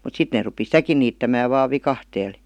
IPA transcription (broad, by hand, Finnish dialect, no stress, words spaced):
mut sit neː rupi sitæki niːtːæmæːʋ ʋɑːʋ ʋikɑhteːl